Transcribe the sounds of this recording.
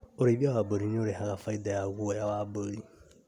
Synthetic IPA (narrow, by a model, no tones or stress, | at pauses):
oɾeβiawaboɾiɲoɾeɦaɣafaidajaɣuɔjawabəɾi